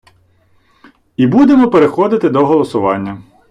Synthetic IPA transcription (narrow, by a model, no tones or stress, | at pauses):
ibud̪emɔpeɾexɔd̪ɪt̪ɪd̪ɔɦɔlˠɔsʊʋɑnʲːɐ